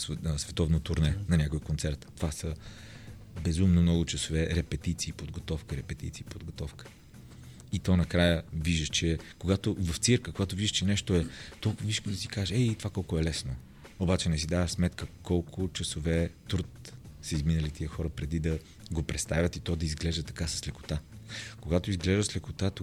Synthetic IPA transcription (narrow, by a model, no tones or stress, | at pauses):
ssvɛt̪ɔvnot̪ʊɾnɛnɐnʲakojkont̪sɛɾt̪ːo̥vasə | bɛzumnomnɔɡʊt͡ʃɐsovɛɾɛpɛt̪it̪siːpod̪ɡot̪ɔfkəɾɛpɛt̪ḭt̪siːpod̪ɡot̪ɔfkə̥ | it̪ɔnɐkɾajəviʒəʃt͡ʃɛkoɡat̪ʊvɐft̪sɛɾkəkoɡat̪ʊviʒəʃt͡ʃɛnɛʃt̪oɛt̪ɔlˠkʊvviʃkod̪ɐsi̥kaʒɛɛit̪ovakɔlˠkʊɛlɛsno | obat͡ʃɛnɛsid̪avəsmɛt̪kəkɔlˠkʰʊt͡ʃɐsovɛt̪ɾut̪səizminəlit̪iəxɔɾəpɾɛd̪id̪ɐ | ɡopɾʔɛt̪st̪avʲət̪it̪ɔd̪ɐizɡlɛʒd̪ət̪ɐkasɐ̥slɛkʊ̥t̪akoɡat̪oizɡlɛʒd̪əslɛkʊt̪at̪